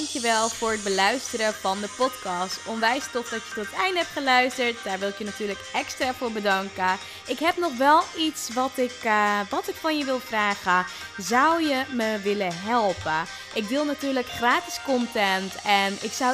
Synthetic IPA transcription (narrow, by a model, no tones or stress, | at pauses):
ŋkjəʋɛlˠfʊːrəd̚bəlœɥstəɾəfɑndəpɔtkɑstɔmʋɛjstɔχdɑtjətɔtətɛjndɦɛp̚tχəlœɥstəɹt̚d̥aːɹʋɪlˠɪkjənatyːləkɛkstraːfʊːɹbədɑŋkə | ʔɪkɦɛpnɔχʋɛlˠitsʋɑtɪkʋɑtɪkfɑnjəʋɪlˠfraːχə | zawjəməʋɪləɦɛlˠpə | ʔɪkʋɪlˠnatyːɹləkχraːtɪ̥skɔntɛntɛnɪksa